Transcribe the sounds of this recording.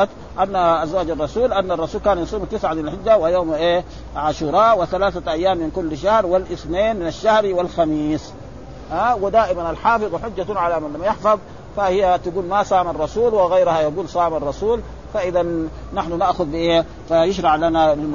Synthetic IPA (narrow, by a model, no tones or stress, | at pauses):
t̪ | ʔanːaazwaːd͡ʒɑrˤːɑsuːlʔanːɑrˤːɑsuːlkaːnjɑsˤuːmt̪ɪsʕamɪnalħɪd͡ʒːawajoːmʔeː | ʕaʃuɾˤɑːʔwiθalaːθaʔajːaːmːinkulːʃahɾwilʔɪsmeːnmɪnaʃːahɾiwɪlxamiːsˤ | ʔawɪd̪aːʔimanalħɑːfɨðˤwħʊd͡ʒːat̪ʕalamanlamːajɪħfɑðˤ | fahijːat̪aɡuːlmasˤɑːmɑrˤːɑsuːlwɪɣajɾhajaɡuːlsˤaːmɑrˤːɑsuːl | faʔɪðanː | aħnunaʔxʊd̪biʔeː | fajɪʃɾˤɑʕlanalm